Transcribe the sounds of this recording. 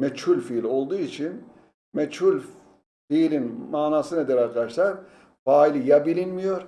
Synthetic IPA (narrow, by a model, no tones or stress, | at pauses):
mɛt͡ʃhulʲfilʲo̞lˠd̪uːit͡ʃʰin | mɛt͡ʃhulʲ | fiːlʲinmaːnaːsɯned̪eɾaɾkad̪aʃlˠaɾ | faːilʲijabilʲinmijo̞ɾ̥